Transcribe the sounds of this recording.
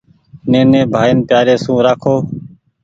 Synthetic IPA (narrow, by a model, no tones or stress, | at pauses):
nẽːnẽːbʱaːɪnpjaːɾeːsũːɾaːkʰoː